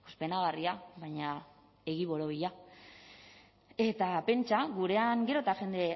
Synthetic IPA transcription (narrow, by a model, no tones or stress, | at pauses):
ospe̞naɣ̞ariaβaɲa | e̞ɣiβo̞ɾoβiʎa | e̞t̪ape̞nt͡ʃaɣuɾe̞aŋɡe̞ɾo̞t̪axe̞nd̪e̞